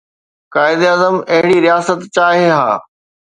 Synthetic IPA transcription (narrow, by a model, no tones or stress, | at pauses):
kaːɪd̪aːzəmɐɦɪɽiɾijaːsət̪t͡ɕaːɦeɦa̰ː